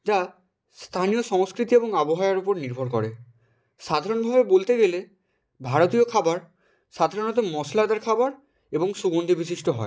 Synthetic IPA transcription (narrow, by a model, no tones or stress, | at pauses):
d͡ʑa | st̪ʰanijoʃɔŋskɾit̪ieboŋaboɦajaɾupoɾniɾbʱoɾkɔ̰ɾe | ʃad̪ʱaɾonbʱabebolt̪eɡele | bʱaɾot̪iokʰabaɾ | ʃad̪ʱaɾonɔt̪omɔslad̪aɾkʰabaɾ | eboŋsuɡond̪ʱibisiʃʈoɦɔ̰e